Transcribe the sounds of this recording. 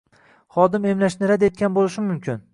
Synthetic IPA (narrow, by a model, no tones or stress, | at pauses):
χɒd̪ɪme̞mlaʃnɪɾad̪e̞t̪̚kʲanbolɪʃɪmʊmkʲʰɪn